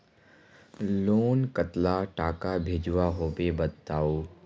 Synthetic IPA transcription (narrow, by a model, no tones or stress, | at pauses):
loːnkət̪laʈaːkabʱed͡ʒuʋaɦoːpebɐt̪aːuː